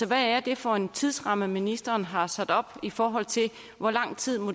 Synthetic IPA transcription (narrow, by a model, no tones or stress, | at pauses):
ɒ̽ʋææɐd̥e̝fɒ̽e̝nt͡sʰiðˠsʁɑ̈məminisd̥ɐːnɦɑ̈sæd̥ɒ̽b̥ifɒːɦɒ̽l̰t͡sʰe̝l | ʋɒlɑ̈ŋ̰t͡sʰið̞̰ˠmo